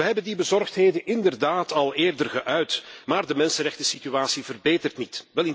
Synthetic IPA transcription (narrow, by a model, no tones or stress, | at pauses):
əɦɛbəndibəzɔrxtɦeːdənɪndərdaːtɑlˠeːrdərɣəʔœɥtmaːrdəmɛnsənrɛxtəsityaːsivərbeːtərtnitʋɛlɪ